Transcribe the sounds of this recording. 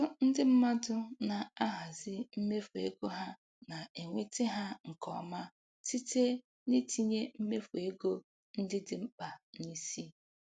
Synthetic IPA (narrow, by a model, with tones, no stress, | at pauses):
ʊ˦n̩˦dɪ˦m̩˦ma˦dʊ˦na˨a˦ɦa˨zɪ˦m̩˦me˦fu˨ḛ˦ɡo˦ɦa˦ | na˨e˨ŋʷe˦tɪ˦ɦa˦ŋ̩˨kɔ˨ma˦ | ti˦te˦ | ni˦ti˦ɲe˦m̩˦me˦fu˨e˦ɡo˦ | n̩˦dɪ˦dɪ˨m̩˦k͡pa˨ni˦si˦